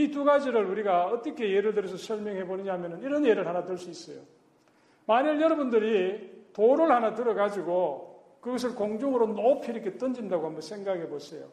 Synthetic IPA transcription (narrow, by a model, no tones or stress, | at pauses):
ituɡad͡ʑiɾɯɭuɾiɡaʌt͈ʌkʰe̞jeɾɯɭdɯɾjʌs̬ʰʌsʰʌɭmjʌŋɦe̞boniɲaɦamjʌnɯniɾʌnjeɾɯɭhanatɯɭs͈uis͈ʌjo̰ | maɲɯɭjʌɾʌbundɯɾitoɾoɭhanatɯɾʌɡad͡ʑiɡo | kɯɡʌs̬ʰɯɭkoŋd͡ʑoŋɯɾonopʰiɾʌkʰe̞t͈ɯnd͡ʑindaɡohambʌnsʰeŋɡaɡiɦebosʰejo̰